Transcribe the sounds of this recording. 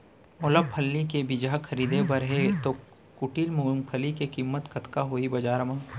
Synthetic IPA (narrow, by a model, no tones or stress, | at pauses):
mʊləpʰːɐlːikebɪd͡ʒaːkʰɐɾiːd̪ebɐɾɦet̪o | kʊʈiːlmuŋpʰəlikekiːmːət̪kɐt̪kaɦoːibɐd͡ʒaːɾmãː